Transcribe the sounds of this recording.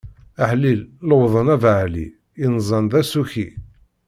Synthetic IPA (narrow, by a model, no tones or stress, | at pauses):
əħlilləwðˤənævʕlḭ | inzˤɑnðæsuçi